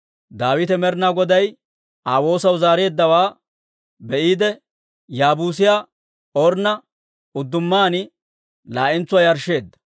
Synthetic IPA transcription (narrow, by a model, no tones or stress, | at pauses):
d̪aːwɪt̪ɛmɛɾnaːɡɔd̪ɐj | aːwo̞ːsɐwzaːɾe̞ːd̪ːɐwaː | bɛʔiːd̪ɛ | jaːbuːs̬ɪjaː | oɾnɐ | ʊd̪ːʊmːaːnɪ | laːʔɪnt͡sːʊwaːjɐɾʃːe̞ːd̪ːɐ̥